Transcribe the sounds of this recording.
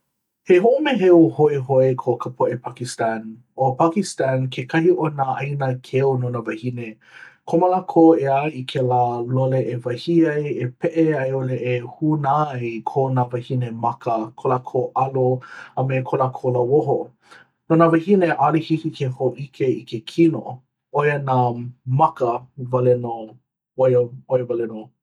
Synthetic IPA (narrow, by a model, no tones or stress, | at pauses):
heɦoʔomeɦeohoeɦoekʰokʰəpʰoʔepʰakistan | opʰakistankʰekʰɐhiʔonaʔɐjnəkʰeononavɐhine | kʰoməlakʰoeajikʰelaːloleʔevɐhiɐjepʰeʔeɐjoleʔehunajkʰonavɐhinemɐkəkʰolakʰoʔɐloəmekʰolakʰoləwoɦo | nonavɐhineʔalihikikʰehoʔikʰeikekʰino̰ | ojənamɐkəvɐleno | ojəojəvalɛno